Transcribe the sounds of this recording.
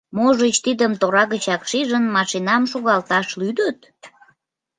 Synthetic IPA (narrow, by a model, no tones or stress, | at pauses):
moʒət͡ɕt̪id̪əmt̪oɾɑɣət͡ɕɑkʃiʒənmɑʃinɑmʃuɣɑlt̪ɑʃlyd̪ət̪̚